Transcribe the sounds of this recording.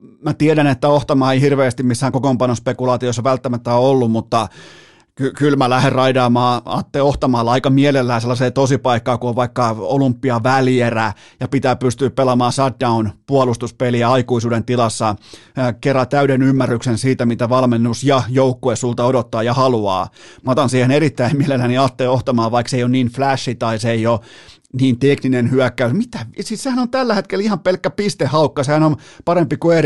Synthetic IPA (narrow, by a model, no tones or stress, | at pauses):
mæt̪ieɾænet̪ːæoht̪ɑmɑːeihirʋeːst̪immisːæːŋkokompɑnospekulɑːt̪iosːɑʋælt̪ːæmæt̪ːæoolːummut̪ːɑ | kykylmælæherrɑidɑːmɑːɑ̰ːt̪ːeoht̪ɑmɑːlːɑɑikɑmielelːæːselːɑseːt̪osipɑikːɑːkuoʋʋɑikːɑolumpːiɑʋæljeræ | jɑpit̪æːpyst̪yːppelɑmɑːsɑt̚dɑunpuɑlust̪uspeliɑikuisuːdent̪ilɑsːɑkerːɑt̪æyɾenymːærːyksensiːt̪æmit̪æʋɑlmenːusjɑjoukːoesult̪ɑodot̪ːɑːjɑhɑluɑ̰ːmɑt̪ɑnsiːhenerit̪ːæimmielelːæniɑt̪ːeːoht̪ɑmɑːʋɑikseijoniːnflæʃːit̪ɑiseio | niːnt̪ekninenhyækːæysmit̪æsissehænont̪ælːæhet̪kelihɑmpelkːæpist̪ehhɑukːɑsehænonpɑɾempikuer